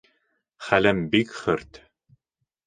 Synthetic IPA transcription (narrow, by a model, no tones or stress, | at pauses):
χælɘmbikχɘɾt̪